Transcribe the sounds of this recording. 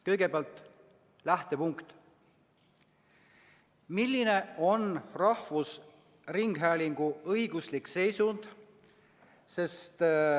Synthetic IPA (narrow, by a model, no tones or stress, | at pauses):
kɤjɡ̥e̞peɑlt̪ˑ | læht̪e̞puŋkt̪ | milːine̞o̞nrɑhvus | riŋɡ̥ɦæːliŋɡ̥uɤjɡ̥uslikse̞jsund̪̥ | se̞st̪